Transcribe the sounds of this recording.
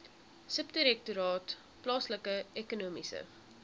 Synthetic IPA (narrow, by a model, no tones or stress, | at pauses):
səp̚təɾɛk̚tuɾɑːt | plɑːsləkəɛkunumisə̰